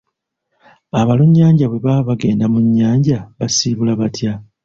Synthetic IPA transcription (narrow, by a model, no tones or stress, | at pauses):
aβaluɲːaːɲɟaβwe̞βaβaɡe̞ːndamuɲːaːɲɟaβasiβulaβatja